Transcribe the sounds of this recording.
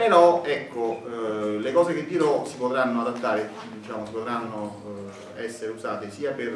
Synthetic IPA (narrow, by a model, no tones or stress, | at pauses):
peɾɔɛkːo | lekɔːzek̟ed̪ːiɾɔsipot̪ɾanːoad̪at̪ːaːɾe | d̪it͡ʃaːmosipot̪ɾanːo | ɛsːeɾeuzaːt̪esiːaper